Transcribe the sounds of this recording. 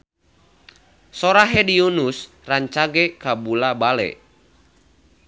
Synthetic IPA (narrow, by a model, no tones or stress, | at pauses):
sɔɾaɦɛdiunus | raɲt͡ʃaɡɛkabulabalɛ̰